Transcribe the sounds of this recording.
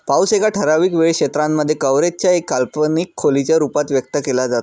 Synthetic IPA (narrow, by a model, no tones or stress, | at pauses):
pausekaʈʰəɾaʋiːkʋeɭkɕet̪ɾamːəd̪ʱːjekəʋɾet̪̚t͡ɕjaekːalpənikʰːolit͡ɕjaɾupat̪ʋjəkt̪əkelad͡zat̪o